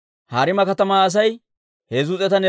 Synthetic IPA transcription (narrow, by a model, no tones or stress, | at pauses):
haːɾɪmɐkɐt̪ɐmaːɐs̬ɐj | heːzʊt͡sʼɛt̪ɐnɛ